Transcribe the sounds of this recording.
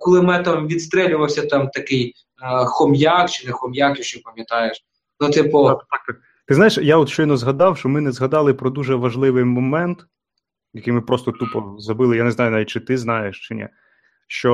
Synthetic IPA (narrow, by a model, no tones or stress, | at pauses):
kɔlˠɪmɛt̪ɐmʋʲid̪st̪ɾɛlʲʊʋɐwsʲɐt̪ɑmt̪ɐkɪj | xɔmjakt͡ʃɪnɛxɔmjakjɔʃt͡ʃɔpɐmʲjɐt̪ɑjeʃ | nʊt̪ɪpɔt̪ɑk̚t̪ | t̪ɪznajeʃjaɔt̪ʃt͡ʃɔjnɔzɦɐd̪ɑwʃt͡ʃɔmɪnɛzɦɐd̪ɑlˠɪpɾɔd̪uʒɛʋɐʒlˠɪʋɪjmɔmɛnt̪ | jɐkɪjmɪpɾɔst̪ɔt̪upɔzɐbɪlˠɪjaneznɑjʊnaʋʲitʲt͡ʃɪt̪ɪznɑjeʃt͡ʃɪnʲɛ̰ | ʃt͡ʃɔ